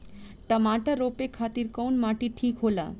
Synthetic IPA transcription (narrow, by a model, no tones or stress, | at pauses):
ʈəmaʈaɾopekʰat̪iɾkɔwnmaʈiʈʰiːkɦola̰